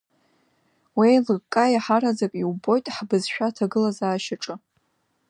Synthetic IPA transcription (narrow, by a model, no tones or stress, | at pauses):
welɨkʼajaħaɾazakʼiwbo̞jtʼħbɨzʃᶣatʰaɡɨlazaːʃaʈ͡ʂʼɨ